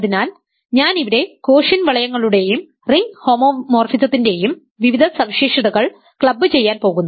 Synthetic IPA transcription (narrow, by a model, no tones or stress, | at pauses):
ɐðinaːl | ɲaːniʋɐɾe̞ko̞ːʂɐnʋɐɭɐjɐŋːɐɭuɽe̞jum | riŋɡho̞ːmoːmoːrfisɐt̪ːinde̞jum | ʋiʋid̪ʱɐsɐmɕiːʂɐðɐɣɐɭ | kɭɐbːɨt͡ɕe̞jːaːnpo̞ːɣunːɐ